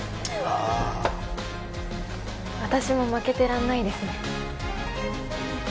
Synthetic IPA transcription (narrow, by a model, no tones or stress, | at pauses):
βat̪aɕimo̞make̞t̪e̞ɾãnːaid̪e̞sɨne